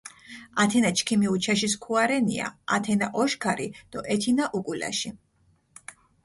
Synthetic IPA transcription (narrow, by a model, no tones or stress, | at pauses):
at̪ʰɛnat͡ʃkʰimiut͡ʃʰaʃis̬kʰuaɾɛnia̰at̪ʰɛnaʔɔʃkʰaɾid̪̥ɔʔɛt̪ʰinaʔukʼula̰ʃi